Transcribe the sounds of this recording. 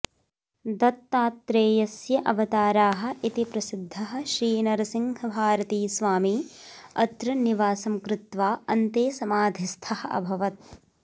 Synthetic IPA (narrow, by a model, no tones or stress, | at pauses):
d̪ɐt̪ːaːt̪ːɾeːjɐsjɐʔɐʋɐt̪aːɾaːɦɐ̆ʔit̪ipɾɐsid̪ʱːɐɦɐ̆ʃɾiːnɐɾɐsiŋɡɐbʱaːɾɐt̪iːsʋaːmiɐt̪ɾɐniʋaːsɐmkɾɪt̪ʋaːɐnt̪eːsɐmaːd̪ʱist̪ʰɐhɐ̆ʔɐ̰bʱɐʋɐt̪̚